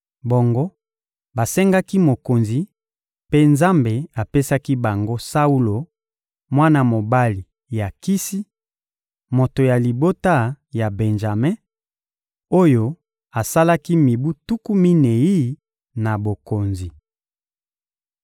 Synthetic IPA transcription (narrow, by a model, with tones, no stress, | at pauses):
bo˨ŋɡo˦ | ba˨sɛ˦ŋɡa˦ki˦mo˨ko˨nzi˨ | pe˦nza˦mbe˨a˨pe˦sa˦ki˦ba˨ŋɡo˦sa˦u˦lo˨ | mwa˦na˦mo˨ba˦li˨ | ja˨ki˦si˦ | mo˨to˨ja˨li˨bo˦ta˦˨ | ja˨be˨nʒa˨me˦ | o˦jo˦ | a˨sa˦la˦ki˦mi˨bu˦tu˦ku˦mi˦ne˨ji˦ | na˨bo˨ko˨nzi˨